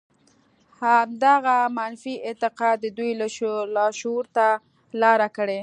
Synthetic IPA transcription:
hamd̪aɣamanfiʔɪt̪ɪqɑd̪əd̪ujllɑʃoɾt̪a | lɑɾakəɽe

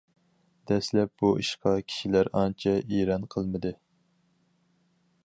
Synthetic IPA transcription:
d̪̥ɛslɛp̚buḭʃqɑkʲʰi̥ʃilæɾɑnt͡ʃʰɛʔiɾɑnqʰəlˠmɨd̪ɨ

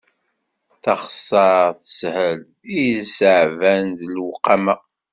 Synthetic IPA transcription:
θɑχsˤɑɾθə̥shəl | isəʕvænd̪lwqːɑmæ

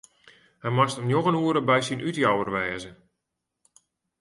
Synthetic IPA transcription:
hɛjmastəmnjoɣənuəɾəbɛjsinʔytjawərʋɛːzə

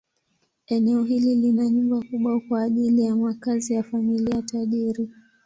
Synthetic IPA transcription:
ɛnɛɔɦililinaɲumbakuɓwakwaːʄilijamakazijafamiliatʰaʄiɾi

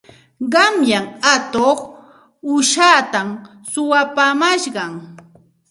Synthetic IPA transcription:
ɢɑmjaŋat̪oχ | ʊʃaːt̪am | sʊwapamaʃɢɑŋ

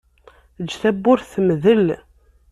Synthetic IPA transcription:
d͡ʒθæbːʊɾθmðəl

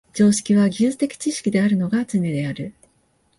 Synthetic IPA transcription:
d͡ʑo̞ːɕi̥kʲiβaɡʲɨːt͡sɨ̥t̪e̞kʲi̥t͡ɕiɕi̥kʲid̪e̞aɾɯ̟no̞ɡat͡sɨnʲed̪e̞aɾɯ̟

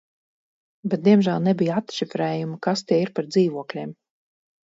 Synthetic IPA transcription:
bɛt̪̚d̪ʲiɛmʒælˠnɛbʲijat̪ʃifɾɛːjumɨkast̪ʲiɛiɾpaɾd̪ziːvuɔklʲiɛːm

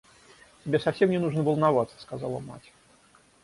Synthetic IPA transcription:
tʲɪbʲesɐfsʲemnʲɪnuʐnəvəlˠnavat̪sə̥skazɑlˠə̰ma̰tʲ

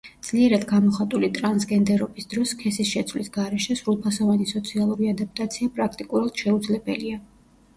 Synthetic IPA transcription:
d̪z̥liɛɾad̪ɡamɔχat̪ʼulit̪ʼɾansɡɛnd̪ɛɾɔbisd̪̥ɾɔskʰɛsisʃɛt̪sʰvlisɡaɾɛʃɛsɾulˠpʰasɔvanisɔt̪sʰialˠuɾiad̪ap̚t̪ʼat̪sʰiapʼɾakʰt̪ʼikʼuɾad̪̥ʃɛud̪zlɛbɛlia

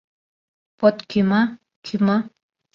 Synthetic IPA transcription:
pɔt̪kʰima | kʰima

